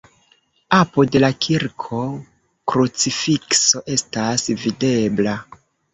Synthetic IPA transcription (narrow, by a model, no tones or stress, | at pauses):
apode̞lakʰiɾkʰo̞ | kɾut͡sifikso̞ʔe̞stasvide̞bla